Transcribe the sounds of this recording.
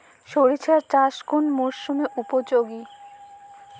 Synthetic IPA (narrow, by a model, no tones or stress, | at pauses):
ʃoɾit͡ɕʰaɾt͡ɕaʃkunmoʃumeʔupod͡ʑoɡi